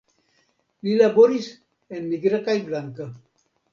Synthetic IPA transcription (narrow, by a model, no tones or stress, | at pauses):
lilaboɾis | enmiɡɾakajblaŋka